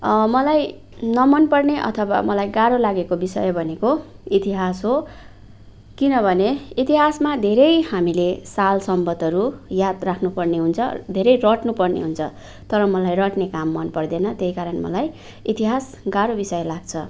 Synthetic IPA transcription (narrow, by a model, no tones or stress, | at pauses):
mʌlaj | nʌmʌnpʌrneʔʌ̰t̪ʰʌwa̰mʌlajɡaɾolaɡekobisʌ̰jbʱʌnekoit̪iɦasɦo | kinʌbʱʌneit̪iɦasmad̪ʱeɾʌjhamilesalsʌmbʌd̪ʱʌɾujad̪rakʰnupʌrneɦunt͡sʰʌ̰d̪ʱeɾʌjrʌʈnupʌrnḛɦunt͡sʰʌ | t̪ʌɾʌmʌlajrʌʈnekamːʌnpʌrd̪enʌt̪jeɦikaɾʌnmʌ̰laj | it̪iɦas | ɡaɾobisʌjlaɡt͡sʰʌ